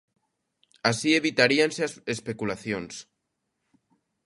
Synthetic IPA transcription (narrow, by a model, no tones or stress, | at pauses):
asieβit̪aɾianseespekulaθjons